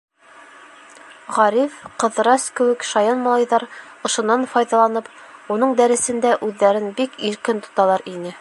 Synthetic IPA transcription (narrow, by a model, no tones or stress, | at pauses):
ʁɑɾifqɤ̆ðɾɑskɘ̆wɘkʃɑjɑnmɑlˠɑjðɑɾ | ɤ̆ʃŏnːɑnfɑjðɑlˠɑnɤp | unɤɴd̪æɾɘ̆sɘ̆nd̪æʔʉðːæɾɘnbikiɾkɘnt̪ŏ̥t̪ɑlˠɑɾinɘ